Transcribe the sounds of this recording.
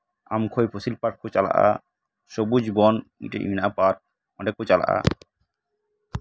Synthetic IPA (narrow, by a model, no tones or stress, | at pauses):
a̰mkʰojpʰosilpaʈ̚kʰot͡ɕala̰ʔa̰ | ʃobud͡ʑbɔnḭʈḛinapaɾ̚ | ɔ̃ɳɖekut͡ɕala̰ʔa̰